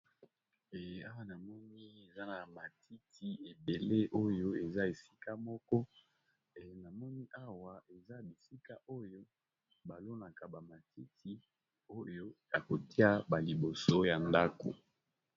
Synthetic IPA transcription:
e˨a˦wa˦na˨mɔ˦ni˦e˨za˦na˨ma˨tʰi˦tʰi˨˦e˨be˨le˦ʔo˦jo˦e˨za˦e˨si̥˦ka˦mɔ˦kɔ˦˨ | na˨mɔ˦ni˦ʔa˦wa˨ʔe˨za˦bi˨si˦ka˦ʔo˦jo˦ | ba˨lo˦na˨ka˨ba˨ma˨tʰi˦tʰi˦ | o˦jo˦ja˨ko˨ti˦a˦ba˨li˨bo˨so˦ja˨nda˦ko̰˨

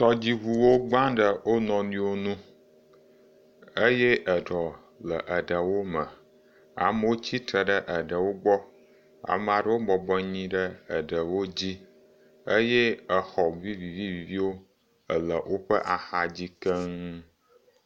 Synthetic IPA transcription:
t̪ɔ˦d͡ʑi˦βu˨wo˦ɡ͡bã˦ɖə˨wo˦nɔ̃˨nĩ˦wo˦nũ˦ | ə˦je˦ʔə˨ɖɔ˨ | lə˨ʔə˨ɖə˨wo˦mə˨ | a̰˨mə˦wo˦t͡ɕi˦t̪ɾə˨ɖə˦ʔə˨ɖə˨wo˦ɡ͡bɔ˦ | a̰˨m˨a˨ɖə˦wo˦bɔ˨bɔ˦ɲĩ˦ɖə˦ə˨ɖə˨wo˦d͡ʑi˦ | ə˦je˦ə˨xɔ˨vi˦vi˨vi˦vi˨vi˦wo˦ | ə˨lə˨wʔo˦ɸə˦ʔa˨xa˨d͡ʑi˦kə˦ŋ

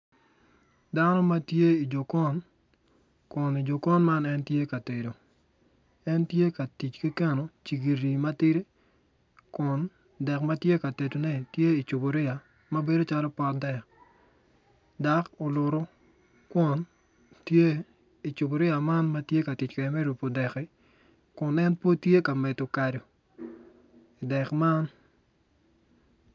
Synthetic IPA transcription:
da˦nɔ˦ma˦tje˦i˨d͡ʒo˨kɔ˦n | kʊ˨ni˨d͡ʒo˨kɔ˦nma˦nɛ˦ntje˦ka˨te˨do˨ | ɛ˦ntje˦ka˨ti˨t͡ʃki˦kɛ˦no˨t͡ʃi˨ɡi˨ɾi˨ma˦tɪ˦ɾi˦ | kʊ˨n | dɛ˨kma˦tje˦ka˨te˨do˨nɛ˦tje˦i˨t͡ʃʊ˨bo˨ɾɪ˦a˨ | mɐ˦be˦do˦t͡ʃa˦lɔ˦pɔ˦tdɛ˨k | da˨ko˨lʊ˨ɾo˦ | kwʊ˨n | tje˦ | i˨t͡ʃʊ˨bo˨ɾɪ˦a˨ma˦nma˦tje˦ka˨ti˨t͡ʃkɛ˨ɛ˨mɛ˦ɾu˨po˨dɛ˨kɛ˦ | kʊ˨nɛ˦npo˦tje˦ka˨mɛ˨to˨ka˨do˨ | ɪ˨dɛ˨kma˦n

